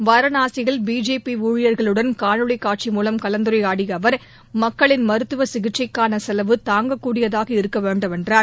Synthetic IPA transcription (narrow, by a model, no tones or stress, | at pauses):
ʋɐɾɐnaːsɪɣɐɭbiːd͡ʒeːpiuːɻɪjɐɾɣɐɭɯɽɐnkaːɻɯɭɐɪkːaːʈ̚t͡ʃimuːlɐmkɐlɐnd̪ɯɾɐɪaːɽɪjɐʋɐɾ | mɐkːɐɭɪnmɐɾɯt̪ːɯʋɐsɪɣɪʈt͡ʃɐɪkːaːnɐsɛlɐʋɯt̪aːŋɡɐkːuːɽɪjɐðaːɣɐɪɾɯkːɐʋeːɳɖɯmɛndraːɾ